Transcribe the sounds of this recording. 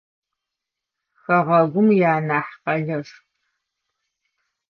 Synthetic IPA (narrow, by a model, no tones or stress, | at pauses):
xɐʁɐɡʷʊmjaːnaːħqɐɮɐr